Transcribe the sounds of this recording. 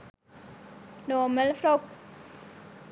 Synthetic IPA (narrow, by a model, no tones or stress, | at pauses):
nɔməlfɾoks